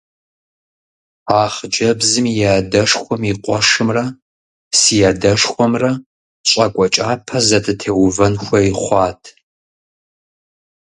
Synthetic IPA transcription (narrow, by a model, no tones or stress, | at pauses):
aːχd͡ʒɐbzɨmjaːdɐʂxʷɔmiqʷɔʂɨmrɐ | sijaːdɐʂxʷɔmrɐ | ɕʼɐkʷʼɔt͡ʃʼaːpʰɐzɐtʼɨtʰeːwvɐnxʷɐiχʷɑːtʰ